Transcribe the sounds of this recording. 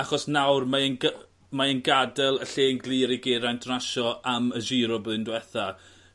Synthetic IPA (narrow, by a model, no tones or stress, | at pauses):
aχɔsnawrmaənɡa | maənɡadɛlˠəɬeːnɡlˠiɾiɡeːɾajntʰraʃɔaməʒiːɾɔbðɨndwɛθa